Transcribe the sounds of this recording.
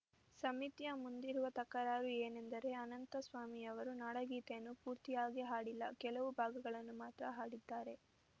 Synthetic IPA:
sɐmit̪jɐmund̪iɾuʋɐt̪ɐkːɐɾaːɾueːnend̪ɐɾe̞ɐnɐnt̪ɐsʋaːmiɐʋɐɾunaːɽɐɡiːt̪enːupuːɾt̪ijaːɡiɦaːɽilːɐ̰kɛlɐʋubʱaːɡɐɡɐɭɐnːumaːt̪ɾɐɦaːɽid̪ːaːɾe̞

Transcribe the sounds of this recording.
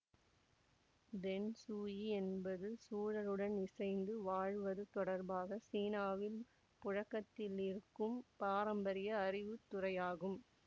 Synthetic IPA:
d̪ɛnsuːjiɛnbɐðɯsuːɻɐɾɯɽɐnɪsɐɪnd̪ɯʋaːɻʋɐðɯt̪ɔɽɐɾbaːɣɐsiːnaːʋɪl | pʊɻɐkːɐt̪ːɪlɪɾɯkːɯmpaːɾɐmbɐɾɪjɐːrɪʋɯt̪ːʊrɐjaːɣɯm

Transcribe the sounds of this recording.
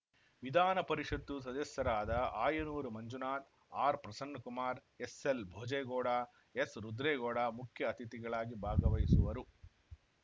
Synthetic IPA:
ʋid̪ʱaːnɐpɐɾiʂɐd̪ːus̬ɐd̪ɐsjɐɾaːd̪ɐaːjɐnuːɾumɐɲd͡ʒunaːt̪ | aːɾpɾɐsɐnːɐkumaːɾ | eselbʱɔːd͡ʒɐjɡoːɽaː | esɾud̪ɾeːɡɔːɽaːmukʰjɐːt̪it̪iɡɐɭaːɡibʱaːɡɐʋɐjsuʋɐɾu

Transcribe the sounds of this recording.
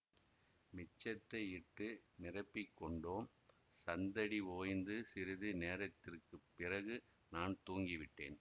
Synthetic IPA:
mɪt͡ʃːɐt̪ːɐɪɪʈːɯnɪrɐɪpːɪkːɔɳɖoːm | sɐnd̪ɐɽioːjnd̪ɯsɪɾɪðɯneːɾɐt̪ːɪrkɯpːɪrɐɣɯ | naːnt̪uːŋɡɪʋɪʈːḛːn

